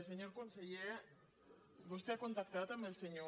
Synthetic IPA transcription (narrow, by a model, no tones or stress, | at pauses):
s̬eɲoɾkoansaje | ɡust̪iakont̪akt̪eβat̪amelseɲo